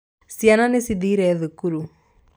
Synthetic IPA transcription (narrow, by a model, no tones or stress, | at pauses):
siananesid̪iɾeðɯkuɾu